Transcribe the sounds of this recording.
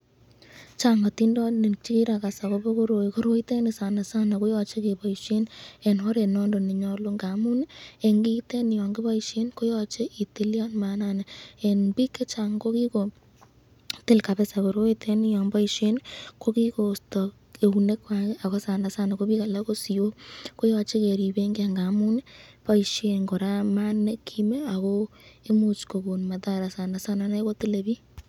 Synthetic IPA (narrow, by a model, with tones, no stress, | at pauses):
t͡ʃa˨ŋɔ˨ti˦ndɔ˦ni˨t͡ʃi˦ki˦ɾa˨ka˨sa˨ko˦bo˦ko˦ɾo˨ko˦ɾo˦i˦te˦ni˨sa˨na˨sa˦na˨ko˦jɔ˨t͡ʃe˦ke˨bɔ˨iʃe˦ne˨nhɔ˦ɾe˨nɔ˦ndo˨ni˨ɲɔ˦lo˦ŋɡa˨mu˦ne˨ŋɡi˦teɛ˦ni˨jɔ˨ŋɡɪ˦ba˦i˨ʃe˦nko˦jɔ˦t͡ʃe˦ʔi˨ti˨li˦a˦nma˨na˨nee˨nbi˦kːe˦t͡ʃa˨ŋko˦ki˦ko˨ | tɪ˦lka˨βe˦sa˨βo˨ɾo˦i˦tʰe˦ni˦jɔ˨ŋba˦i˨ʃe˦nko˦ki˦ko˨stɔ˨ | e˨u˨ne˦kwa˨e˦ʔa˨ɣo˦sa˨nda˨sa˦na˨ko˦βi˦ka˨la˦ko˦si˨jo˦ko˦jɔ˧t͡ʃe˦ke˨ɾi˨be˦ŋɡe˦a˨ŋɡa˨mu˦ne˦pa˦i˨ʃe˨nɡo˨ɾa˦ma˦ne˦kʰime˦a˨ɣo˦ | e˦mu˦t͡ʃko˨ɡo˨nma˨ta˦ɾa˨sa˨nda˨sa˦na˦na˦ko˦tɪ˦le˨βi˦